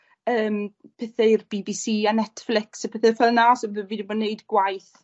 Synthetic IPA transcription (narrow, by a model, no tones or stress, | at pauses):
əːmpʰɛθɛirbibisiːanɛtflɪksapʰɛθɛfɛlˠnasɔðɨviːdɪbɔneɨdɡ̥wajθ